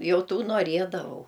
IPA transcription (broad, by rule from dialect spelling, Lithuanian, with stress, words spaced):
ˈjɛʊ ˈtuː noːˈrʲiɛdɐʋɐʊ